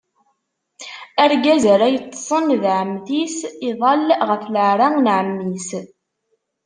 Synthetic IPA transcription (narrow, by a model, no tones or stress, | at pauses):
æɾɡæzəɾæjət̪ˤːsˤənðʕəmθisiðˤɑlʁəθləʕɾˤaŋnʕəmːis